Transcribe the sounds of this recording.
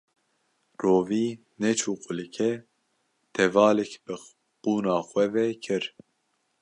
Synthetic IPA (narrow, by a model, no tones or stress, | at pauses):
roːviː | nɛt͡ʃʰuːqʊlɨkʰɛ | t̪ʰɛvɑːlɛkbɨ | quːnɑːxwɛvɛkʰɨɾ